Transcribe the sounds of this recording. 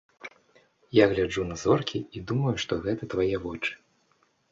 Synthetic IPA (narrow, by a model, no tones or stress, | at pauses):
jaɣlʲad͡ʐunɐzɔrkʲʰiid̪umɐjuʂt̪ɔɣɛt̪ɐt̪vajɛvɔt͡ʂɨ̥